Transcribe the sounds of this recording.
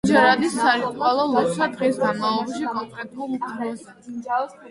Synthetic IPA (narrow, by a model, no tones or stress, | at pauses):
d͡ʒɛɾad̪isːaɾit̪ʼwalˠɔlˠɔsad̪ʁisɡanmaɔbʃikʼɔŋkʼɾɛt̪ʼulˠupʰmɛsa